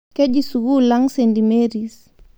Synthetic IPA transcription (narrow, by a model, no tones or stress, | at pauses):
kɛʄisuɣulaŋsɛndimɛɾis